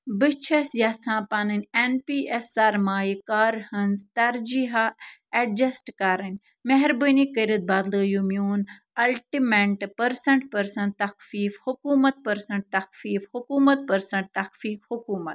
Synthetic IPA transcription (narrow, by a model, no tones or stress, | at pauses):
bɨt͡ʃʰɐsjɐt͡sʰãːpaːnɐnʲenpiːesːɐɾmaːjikaːɾhɐnzt̪ɐɾd͡ʒiɦaɐd͡ʒɐsʈkaːɾɐnʲ | meɦɛɾbənikəɾɐt̪̚baːd̪lɐːjumjuːn | ɐlʈimeʈpɐɾsɐɳʈpɐɾsɐ̃nt̪ɐkfiːfhʊkuːmɐt̪̚pɐɾsɐ̃ɳʈ̚t̪ɐxfiːfhukuːmɐt̪̚pɐɾsɐɳʈ̚t̪ɐxfiːkhʊkuːmɐt̪̚